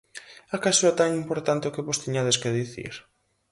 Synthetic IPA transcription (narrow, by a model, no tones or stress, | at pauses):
akasoat̪aŋimpoɾt̪ant̪eokeβost̪iɲaðeskeðiθḭɾ